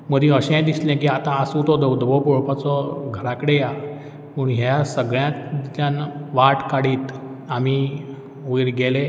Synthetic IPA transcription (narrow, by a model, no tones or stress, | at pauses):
məd̪ĩəɕẽd̪islɛ̃k̬iat̪ãːsut̪ɔd̪əwd̪əʋɔpɔɭpat͡sɔɡʱəɾakəɽeja | pəɳɦjasəɡɭjãd͡ʑjãnʋaʈkaɽiːt̪ | ami | uiɾɡele